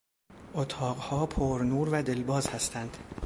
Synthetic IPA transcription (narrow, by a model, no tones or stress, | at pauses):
ʔot̪ʰɒːɢhɒːpʰoɾnuːɾvæd̪e̞lbɒːzhæst̪ʰænd̪̥